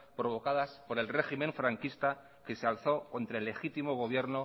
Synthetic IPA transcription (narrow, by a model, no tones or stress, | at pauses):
pɾo̞βo̞kaðaspo̞ɾe̞lre̞ximẽ̞ɱfɾaŋkist̪a | ke̞sealθo̞ko̞nt̪ɾaelːe̞xit̪imo̞ɣ̞o̞β̞je̞ɾno